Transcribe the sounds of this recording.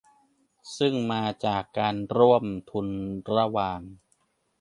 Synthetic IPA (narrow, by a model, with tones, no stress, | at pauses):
sɯ˥˩ŋmaː˧t͡ɕaː˨˩kːaː˧nɾu˥˩əmt̪ʰu˧nɾa˦˥waː˧ŋ